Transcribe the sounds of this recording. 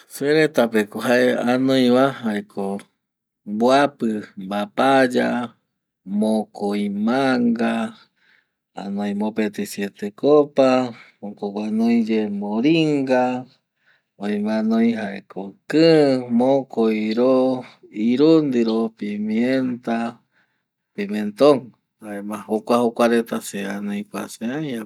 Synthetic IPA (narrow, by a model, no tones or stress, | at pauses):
seɾet̪apekoɦaeanõj̃βahaekʰo | bwapɨmbapad͡ʒa | mokojmaŋɡa | a̰nõj̃mopet̪esjet̪ekopa | okoɡwanojd͡ʒemoɾiŋɡa | ojmãnojɦaḛkʰokɨmokojɾoiɾund̪iɾopimient̪a | pimẽnt̪oŋ | aemãhokʷahokʷaɾet̪aseanõjkʷa̰seaja